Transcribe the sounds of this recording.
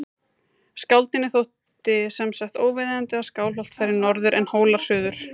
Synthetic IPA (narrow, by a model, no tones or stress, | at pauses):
skawlt̪ɪnːɪθowht̪ | ɪsɛmsaht̪oːwvɪðɪðant̪ɪaðskaːwlvɔlt̪fajɾɪɾnɔɾðʏɾʔɛnhoːwlaɾ̥sʏːðʏɾ̥